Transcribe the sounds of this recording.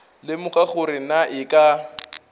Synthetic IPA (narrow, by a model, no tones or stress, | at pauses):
lɪmʊχaχʊɾɪnaʔɪkʼa